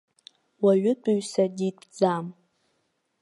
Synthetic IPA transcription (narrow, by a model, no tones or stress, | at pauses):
waɥʊtʷʼuɥsaditbd͡zam